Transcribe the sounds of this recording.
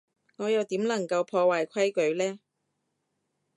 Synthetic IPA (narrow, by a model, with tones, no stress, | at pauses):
ŋɔː˨˧jɐ˨˧wt̪iː˨˥mlɐ˨˩ŋkɐ˧wpʰɔː˧waː˨jkʷʰɐ˥jkɵ˨˥ɥlɛː˥